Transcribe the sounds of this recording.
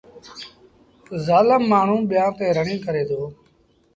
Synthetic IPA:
zaːləmːaːɳ̤ũːɓɪjãːt̪eːɾəɳĩːkəɾeːd̪oː

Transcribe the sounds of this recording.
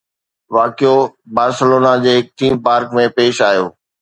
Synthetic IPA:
ʋaːkijobaːɾsɪloːnad͡ʑeːɦɪk̚ʈiːmpaːɾkmẽpeːʃaːjoː

